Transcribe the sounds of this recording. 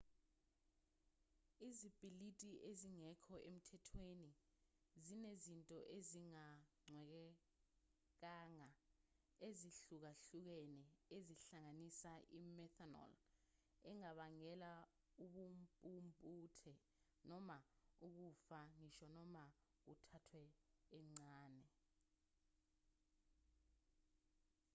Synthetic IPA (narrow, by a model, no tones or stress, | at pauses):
izib̥ilitʼiʔeziŋɛkʰɔem̩tʰɛtʰweni | zinezintʼɔʔeziŋaŋ͡ǀʱwɛk̬ɛ | k̬aːŋa | eziɬuk̬aɬuk̬ɛnɛeziɬaŋanisaʔimɛtʰanɔ̰l | ɛŋaɓaŋɛla | uɓumpʼumpʼuːtʰɛ | nɔmauk̬ufaniʃɔnɔma | k̬utʰatʰwɛːŋ͡ǀaːnɛ